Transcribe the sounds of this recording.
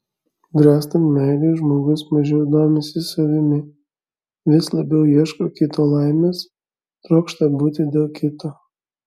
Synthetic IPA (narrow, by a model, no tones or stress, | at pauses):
d̪ɾʲæːst̪ɐmmʲɛɪlʲɛʒmoːɡʊsmɐʒʲɛʊd̪oːmʲɪsʲɪsɐʋʲɪmʲɪ | ʋʲɪslˠɐbʲɛʊjiɛʃkokʲɪt̪oːlˠɐɪmʲeːs | t̪ɾoːkʃt̪ɐbuːt̪ʲɪd̪ʲeːlˠkʲɪt̪oː